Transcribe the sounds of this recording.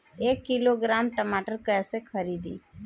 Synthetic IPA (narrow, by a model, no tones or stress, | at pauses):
eːkːɪloːɡɾaːmʈəmaːʈəɾkɛ̃ːsekʰəɾiːd̪ḭː